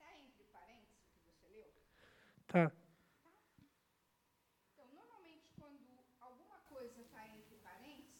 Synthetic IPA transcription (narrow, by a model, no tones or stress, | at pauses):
t̪aẽnt̪ɾɪpaɾẽnt̪ɪszkɪvoselew | t̪ʰat̪a | ẽnt̪ɐ̃w̃noɾmawmẽnt͡ʃɪ̥kwɐ̃nd̪ʊawɡũmɐkojzɐt̪aẽnt̪ɾɪpaɾẽnt̪ɪz